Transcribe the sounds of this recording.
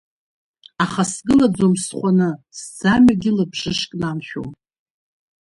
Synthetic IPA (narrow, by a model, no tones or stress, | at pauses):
aχasɡɨlad͡zomsχʷanɨsd͡zamaɡʲɪlɨbʐɨʂkʼnamʃᶣo̰m